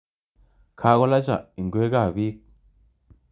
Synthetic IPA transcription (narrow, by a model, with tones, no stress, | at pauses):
kʰa˨˦ɣo˦la˦t͡ʃa̰˨i˨ŋ˨ɡwe˦ɡa˦˨bi˦k̚